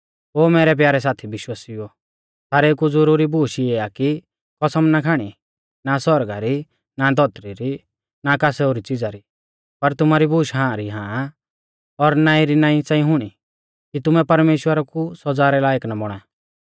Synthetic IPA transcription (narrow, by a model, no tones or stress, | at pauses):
ɦoːmɛːɾɛp̬jaːɾɛs̬aːt̪ʰibɪʃwaːsio | t̪ʰaːɾekud͡zɔɾuːɾibuːʃieːaki | kɔsɐmnakʰaːɽ̃i | nasɔɾɡaɾi | nad̪ʱɔt̪ɾiɾi | nakasɛʊɾit͡sɪd͡zaɾi | pɐɾt̪ʊmaɾibuːʃɦãːɾiɦãː | ɔɾnaːĩɾinãːĩt͡sãːĩɦʊɽ̃i | kit̪ʊmɛ̃pɐɾmeːʃwəɾakusɔd͡zaːɾɛlaːjəknabɔɽ̃a